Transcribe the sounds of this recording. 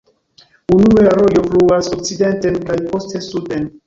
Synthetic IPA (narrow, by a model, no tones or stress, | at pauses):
unueɾo̞jo̞fluasok̚t͡side̞ntenkajpo̞ste̞suden